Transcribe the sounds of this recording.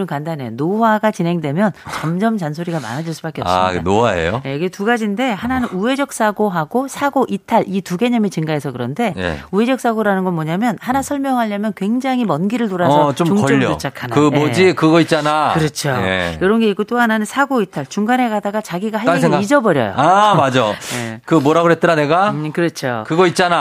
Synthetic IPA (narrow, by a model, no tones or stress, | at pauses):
ɯnkandane̞nowaɡat͡ɕinɦe̞ŋdwe̞mjʌnt͡ɕʌmd͡ʑʌmt͡ɕansʰoɾiɡama̰nad͡ʑiɭs͈ɯbak͈eʌpsanoaḛjo̰jeiɡetuɡad͡ʑinde̞hananɯnue̞d͡ʑʌk̚s͈ʰaɡoɦaɡosʰaɡoʔitʰaɭituɡe̞ɲʌmit͡ɕiŋɡaɦe̞sʰʌkɯɾʌnde̞j̰ue̞d͡ʑʌk̚s͈ʰaɡoɾanɯnɡʌnmʌɲamjʌnhanasʰʌɭmjʌŋɦaʎːʌmjʌnkwe̞ŋd͡ʑaŋɦimʌnɡiɾɯɭtoɾasʰʌt͡ɕot͡ɕmokʌʎːʌot͡ɕ͈ʰakʰanaɯmod͡ʑikɯɡʌit̚t͡ɕ͈anakɯɾʌt͡ɕʰoḛjoɾʌnɡe̞ik͈ot͈oɦananɯnsʰaɡoitʰaɭt͡ɕuŋɡanɦe̞ɡadaɡat͡ɕaɡiɡaɦaɭseɡid͡ʑʌbʌɾjʌ̰jo̰amad͡ʑʌjekɯmoɾaɡoet̚t͈ɯɾane̞ɡakɯɾʌt͡ɕʰokɯɡʌit̚t͡ɕ͈ana